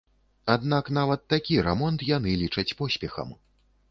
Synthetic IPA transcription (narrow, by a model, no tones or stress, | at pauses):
ad̪naknavɐt̪ːakʲiɾɛmɔnt̪janɨlʲit͡ʂɐt͡sʲpɔsʲpʲɛxɐ̰m